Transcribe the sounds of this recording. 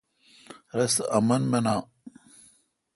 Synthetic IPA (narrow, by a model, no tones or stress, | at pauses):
ɾɐsɐmɐnmenaː